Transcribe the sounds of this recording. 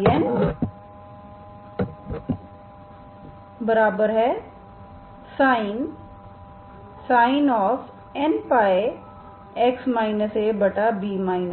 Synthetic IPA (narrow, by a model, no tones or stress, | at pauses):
ən | bəɾaːbəɾɦɛ | saːɪn | saːɪnɔːf | ɛnpaːe | ɛksmaːɪnəsebɐʈabiːmaːinə